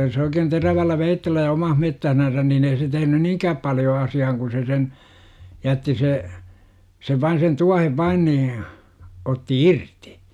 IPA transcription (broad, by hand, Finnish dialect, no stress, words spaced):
jos oikeːn teræʋælːæ ʋeitːelːæ jɑ omɑn metːæhnænsæn niːn ei tehnyn niːŋkæːp pɑljo ɑsiɑhɑŋ ku se sen jætːi se seʋ ʋɑin sen tuɑheʋ ʋɑin niː otːi irti